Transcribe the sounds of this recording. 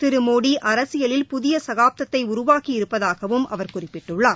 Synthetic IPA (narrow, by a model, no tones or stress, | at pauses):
t̪ɪɾɯmoːɽiʔɐɾɐsɪjɐlɪlpʊðɪjɐsɐɣaːp̚t̪ɐt̪ːɐɪʊɾʊʋaːkiɪɾɯpːɐðaːɣɐʋɯmʔɐ̰ʋɐɾkʊrɪpːɪʈːɯɭːaːɾ